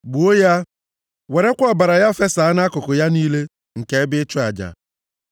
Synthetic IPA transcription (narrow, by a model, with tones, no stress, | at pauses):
ɡ͡bu˨o˦ja˦ | we˨ɾe˦kʷɔ˨ba˨ɾa˨ja˦˨fe˦sa˨a˦na˦kʊ˨kʊ˨ja˦niː˦le˦ | ŋ̩˨ke˦ɪ˦bɪ˦ɪ˦t͡ʃʊ˦a˨d͡ʒa̰˨